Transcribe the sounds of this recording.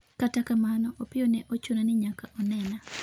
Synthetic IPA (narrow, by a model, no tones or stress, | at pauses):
katakamanɔʔopɪjɔnɛʔot͡ʃonanɪɲakaʔɔnɛna